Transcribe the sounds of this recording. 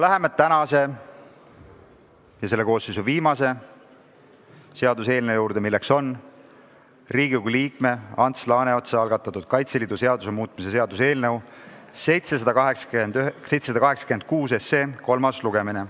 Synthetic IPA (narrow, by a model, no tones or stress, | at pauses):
læɦe̞met̪ænɑse̞ | jɑse̞lːe̞ko̞ːsːejs̬uviːmɑse̞ | se̞ɑd̪use̞ːlnewjuːɾd̪e̞milːekso̞n | riːɡiɡuliːkme̞ɑnt̪slɑːne̞o̞t̪seɑlɡɑt̪ːˑɑt̪ːˑud̪̥̚kɑjt̪se̞liːd̪use̞ɑd̪̥use̞muːt̪ˑmis̬e̞se̞ɑd̪use̞ːlne̞wse̞jt̪se̞s̬ɑd̪̥ɑkɑɦeksknd̪yse̞jt̪sesɑd̪ɑkɑɦe̞ksɑ̥kyend̪̥̚kuːse̞sːe̞ːko̞lmɑsluɡ̥emine